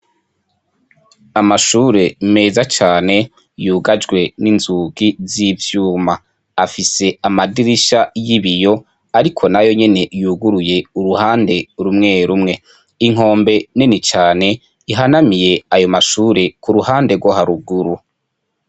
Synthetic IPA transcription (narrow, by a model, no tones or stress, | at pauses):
amaʃuːɾe̞me̞ːzat͡ʃaːne̞ | juːɡad͡ʒɡwe̞ninzuːɡizivjuːma | afise̞amadiɾiʃajiβijo̞ | aɾikʰo̞najo̞ɲe̞ne̞juːɡuɾuje̞uɾuhaːnde̞ɾumŋe̞ːɾumŋe̞ | iŋ̥o̞ːmbe̞ninit͡ʃaːne̞ | iɦanamije̞ajo̞maʃuːɾe̞kuɾuhaːnde̞ɾɡwoɦaɾuɡuɾu